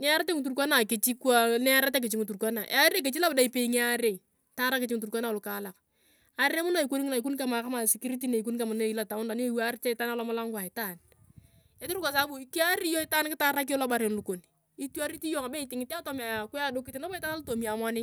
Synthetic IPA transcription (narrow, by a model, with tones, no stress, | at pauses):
nɛ˦a˦ɾa˦te˦ŋu˨t̬u˨ɾkʷa˦na˨kɪ˨t͡ʃi˦kwa˦nɛ˦ɾa˦ta˦k̬ɪ˨t͡ʃɪ˦ŋu˨tu˨rkʷa˦na˨ʔḛ˨a˦ɾe˦k̬e˨t͡ʃi˦la˦bda˦i˦pe˦i˦ŋe˦a˦ɾe˨ | ta˦ɾa˦kɪ˨t͡ʃɪ˦ŋu˨tu˨ɾkʷa˦na˨lʊ˨ka˨˦la˨k | a˨ɾe˦mʊ˦na˦˨i˨ko˦ni˦ŋ˦na˨i˨ku˦nka˨ma˨ka˦ma˨sɪ˨kɪ˦ɾi˦t̬i˦ne˨i˨ku˦nka˨mʊ˨n˦e˨i˦la˨ta˨mʊ˦nda˨ni˦e˦wa˦ɾɪ˦t͡ʃe˦ɪ˨ta˦na˦lɔ˦mʊ˦la˦ŋɡa˨ɪ˨ta˦˨n | e˦tɪ˦ɾu˦kʷa˨sa˨˦bu˨ki˦a˦ɾi˦jɔ˦ɪ˦taː˦nkɪ˦ta˦ɾa˦k̬i˦ɔ˦la˦ba˨ɾe˨nlu˨ko˨n | i˦tu˦a˦ɾi˦ti˦jo˦˨ŋa˨be˦ɪ˨tɪ˨ŋɪ˦ti˦a˦tɔ˨˦mɛ˨kʷa˨do˦kɪ˦tɪ˦na˦bɔ˦ɪ˦ta˦na˦lu˦to˨mi˨a˨ma˦nɪ˦